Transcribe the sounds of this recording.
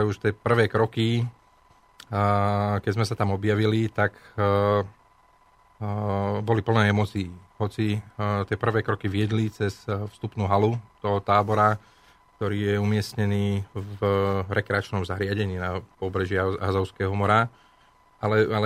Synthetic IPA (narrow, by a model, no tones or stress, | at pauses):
ɛuʃt̪ɛpr̩ʋɛːkɾɔki | kɛɟzmɛsat̪amɔbjaʋilit̪ak | bɔlipl̩nɛːɛmɔt͡siːɦɔt͡sit̪ɪɛpr̩ʋɛːkɾɔkiʋɪɛd̪lit͡sɛsfst̪upnuɦalut̪ɔɦɔt̪aːbɔɾa | k̚t̪ɔɾiːjɛumɪɛsɲɛniːvɾɛkɾɛat͡ʃnɔmzaɦɾɪaɟɛɲiːnapɔbɾɛʒiɦazɔʊskɛːɦɔmɔɾa | alɛalɛ